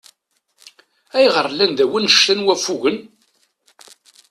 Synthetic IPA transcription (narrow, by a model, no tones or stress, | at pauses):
æjʁəɾˤːlːænd̪æwinʃt̪ænwæfuʝən